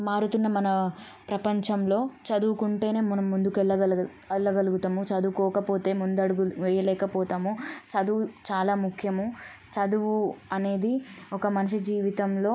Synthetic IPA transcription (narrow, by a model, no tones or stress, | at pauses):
maːɾut̪unːɐmɐnɐ | pɾɐpɐɲt͡ʃɐmlo̞ːt͡ʃɐd̪uʋukuɳʈe̞ːne̞ːmɔnɐmːund̪ukɛlːɐ | ɐlːɐɡɐluɡut̪ɐmut͡ʃɐd̪ukɔːɐkɐpoːt̪e̞ːmund̪uɐɽuɡuʋɛːjɐlɛːkɐpɔːt̪aːmut͡ʃɐd̪uʋut͡ʃaːlaːmukʰjɐmu | t͡ʃɐd̪uʋuɐne̞ːd̪iɔkɐmɐnɐʂid͡ʒiːʋit̪ɐmlo̞ː